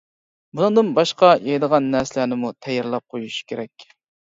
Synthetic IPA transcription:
bunɨŋd̪ɨnbɑʃqɑjɑjd̪əʁɑnːæɾsɪlænɪmut̪ʰɛjɪɾlˠɑp̚qʰojuʃi̥kʲʰeɾɛkʲ

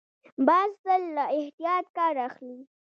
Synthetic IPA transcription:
bɑzzəlːaɪht̪ijɑt̪̚kɑɾaxli

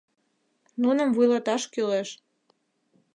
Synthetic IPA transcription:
nunə̆mvujlɑt̪ɑʃkyleʃ

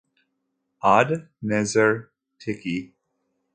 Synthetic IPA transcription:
ad | nɛzəɹ | tʰɪki

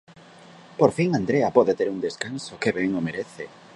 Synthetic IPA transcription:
poɾfiŋand̪ɾeɐpɔðet̪eɾund̪eskansokeβɛŋomeɾeθe

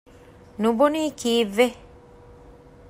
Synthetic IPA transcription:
nũbonikiːve

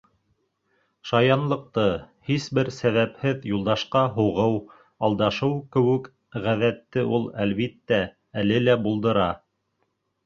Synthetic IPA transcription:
ʃɑjɑnlˠɤ̆q̚t̪ɤ | hisbɘɾsæβæphɘðjulˠd̪ɑʃqɑɦuʁɤw | ɑlˠd̪ɑʃɤwkɘ̆wɘ̆k | ʁæðæt̪ːɘʔulˠælβit̪ːæ | ælɘlæbulˠd̪ɤ̆ɾɑ

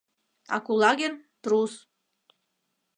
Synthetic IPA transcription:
ɑ̰kulˠɑɡent̪ɾus

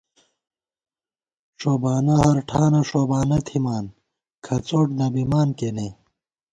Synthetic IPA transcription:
ʂoːbaːnɐɦɐɾʈʰaːnɐʂoːbaːnɐt̪ʰimaːn | kʰɐt͡soːʈd̪ɐbimaːnkene

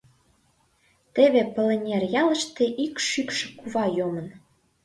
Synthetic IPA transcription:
t̪eβepəlenʲerjɑlə̆ʃt̪eʔikʃykʃĕ̥kuβɑjomə̆n

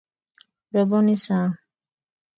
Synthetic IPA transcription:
ɾɔbɔnisã

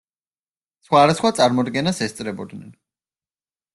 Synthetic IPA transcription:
sχwad̪asχwat̪sʼaɾmɔd̪ɡɛnasɛst̪sʼɾɛbɔd̪nɛn

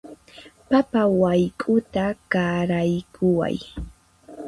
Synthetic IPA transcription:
papawajkʼʊt̪akaɾajkʰʊwa̰j

